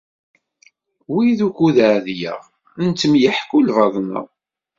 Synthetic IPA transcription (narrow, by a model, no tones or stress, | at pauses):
wiðukuðʕðjə̰ʁ | nt͡s̪ːəmjəħkulvɑðˤnə̰ʁ